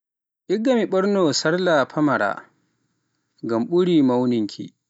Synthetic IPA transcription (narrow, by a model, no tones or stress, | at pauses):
ʔɪɡɐmiɓɐɽnoːsɐrlaːɸʰɐmɐɽa̰ː | ɡɐmɓʊɽiːmɐwnɪŋkʰʲḭ